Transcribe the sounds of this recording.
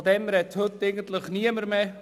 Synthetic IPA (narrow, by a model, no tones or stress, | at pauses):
d̪ɛmɾɛthɵt̪ːeɪɡən̩t̪ləχniəməɾme